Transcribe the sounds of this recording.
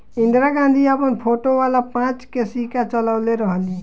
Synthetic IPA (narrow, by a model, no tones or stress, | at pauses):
ɪ̃nd̪ɾaɡãːnd̪ʱiəpənpʰoːʈoʋaːlapãːt͡ʃkesikat͡ʃələʋleɾəɦəli